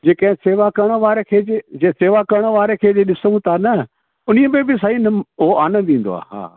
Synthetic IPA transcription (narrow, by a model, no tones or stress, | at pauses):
d͡ʑeːkɐ̃ɦɪ̃seːʋakɐɾəɽ̃ʋaːɾekʰeːd͡ʑed͡ʑeːseːʋakɐɾɽ̃əʋaːɾekʰeːd͡ʑeɗɪsəũt̪ʰanɐ | ʊniəbẽbɪs̬ainɐʊɦoaːnə̃d̪ĩːn̆d̪o̰a̰ːɦa̰ː